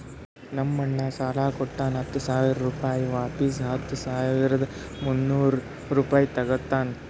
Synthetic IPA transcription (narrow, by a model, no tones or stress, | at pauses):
nɐmːɐɳːɐsaːlaːkɔʈːaːnɦɐt̪ːusaːʋiɾɐɾuːpaːjiʋaːpis̬ɦɐt̪ːusaːʋiɾɐd̪ɐ | munːuːɾ | ɾuːpaːjit̪ɐɡɐt̪ːaːn